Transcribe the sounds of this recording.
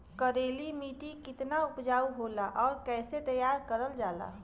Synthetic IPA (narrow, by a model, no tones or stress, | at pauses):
kəɾeːlimiːʈikɪt̪naʊpd͡ʒaːuɦolaʔɔːɾkɛːset̪əjaːɾkəɾəld͡ʒaːla̰